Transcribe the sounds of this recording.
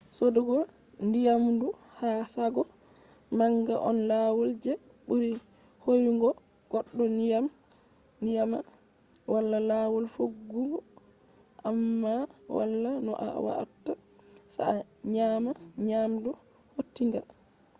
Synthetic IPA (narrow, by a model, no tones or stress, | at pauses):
sodɔɡɔ | ndijamdu | hasaɡɔ | maŋɡa̰ʔɔ̰nlawɔld͡ʒɛ | ɓuɾi | hojŋɡɔ | ɡ̥ɔɗːɔnijam | nijama | wʔalːalawɔlfoɡːuɡɔ | ʔamːa | wa̰lːanɔ̰ʔa̰wa̰a̰tːa | sa̰ | ɲamaɲamdu | hotːiŋɡa̰